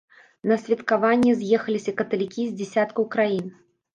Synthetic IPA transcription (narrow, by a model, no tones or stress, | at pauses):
nɐsʲvʲɐt̪kavanʲːɛzʲjɛxɐlʲisʲɐkɐt̪ɐlʲikʲizʲd͡zʲɛsʲat̪kɐwkɾajin